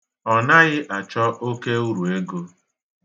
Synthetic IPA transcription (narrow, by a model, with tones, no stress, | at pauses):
ɔ˨na˦ɣɪ˦ʔa˨t͡ʃɔ˦ʔo˦ke˦u˦ɾu˨e˦ɡo˦